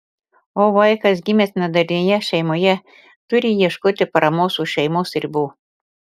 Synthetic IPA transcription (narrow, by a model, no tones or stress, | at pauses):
oːʋɐɪkɐsɡʲɪmʲesnɐd̪ɐɾʲnʲejɛʃʲɛɪmoːjɛ | t̪ʊɾʲɪjiɛʃkoːt̪ʲɪpɐɾɐmoːsuʃʲɛɪmosɪɾʲbuː